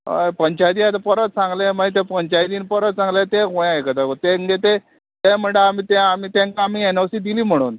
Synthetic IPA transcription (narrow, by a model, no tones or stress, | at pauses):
ə̰pəɲt͡ɕajd̪iat̪apəɾət̪t͡sãŋɡleməit̪̬epəɲt͡ɕajd̪iːnpəɾət̪t͡sãŋɡlet̪eɦojãekət̪akot̪eŋɡet̪e | t̪em̤əɳɖeamit̪ɛamit̪ẽŋkaamiːenəwsiːd̪iliːm̤əɽ̃ṵːn